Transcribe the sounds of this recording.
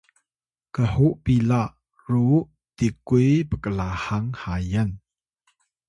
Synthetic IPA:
kəhuʔpilaʔ | ruʔ | tikujpəkəlahaŋhajən

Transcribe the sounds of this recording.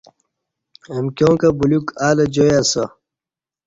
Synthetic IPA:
emkjõːkɐbulukaːlɐd͡ʑojasɐ

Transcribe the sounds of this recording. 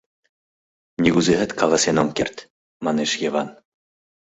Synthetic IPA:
nʲiɣuzeɦɘ̆t̪kɑlˠɑsenomkert̪ʲ | mɑneʃjevɑn

